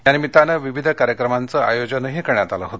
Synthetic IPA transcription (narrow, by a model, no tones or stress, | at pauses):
janimit̪anəʋiʋid̪ʱəkaɾjəkɾəmant͡səajod͡ʑənəɦikəɾɳjat̪alaɦot̪